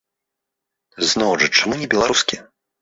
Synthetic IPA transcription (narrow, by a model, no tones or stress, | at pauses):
znɔwʐɨt͡ʂamunʲɛbʲɛlˠaɾuskʲi